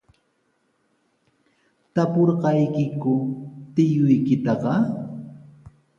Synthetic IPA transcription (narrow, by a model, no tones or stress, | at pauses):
t̪apoɾɢɑjkɪkʊt̪ɪjʊjkɪt̪ɑqɑ